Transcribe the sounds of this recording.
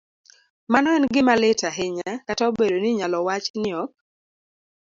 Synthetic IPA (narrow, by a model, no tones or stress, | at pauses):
manɔɛnɡɪmalɪtaɦɪɲakataobedoniɲalɔwat͡ʃnɪɔk̚